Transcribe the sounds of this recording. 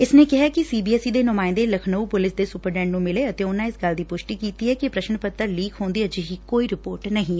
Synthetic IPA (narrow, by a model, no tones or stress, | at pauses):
ɪsneːkɪɦakɪsiːbiːɛːsid̪eːnʊmaːɪ̃nd̪eːləkʰnəupʊlɪsd̪eːsʊpəɾɖɛ̃ːɳɖnũmɪleːət̪eːʊnãːɪsɡɐld̪iːpʊʃʈiːkiːt̪iɦɛːkipɾəʃənpət̪ːəɾliːkʰɦõːnd̪iːəd͡ʒiɦikoːiɾɪpoːɾʈnəɦĩɛ